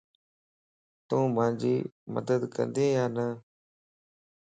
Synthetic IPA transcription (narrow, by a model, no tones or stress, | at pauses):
t̪ũːmãːɲd͡ʒiːmə̰d̪əd̪kə̰nd̪eːjaːnə